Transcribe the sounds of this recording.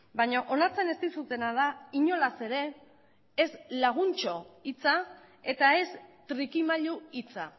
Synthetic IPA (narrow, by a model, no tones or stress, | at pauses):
bajɲoʔonaɾt͡se̞ne̞st̪isut̪e̞nað̞aiɲo̞lase̞ɾe̞ː | zlaɣ̞unt͡ʃo̞it͡sa | e̞t̪ae̞st̪ɾikimaʎuit͡sa